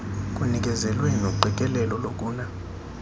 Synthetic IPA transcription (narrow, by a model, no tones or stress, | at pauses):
kʼunik̬ʼɛzɛlwɛnoɡ͡ǃʱikʼɛlɛlɔlokʼuːna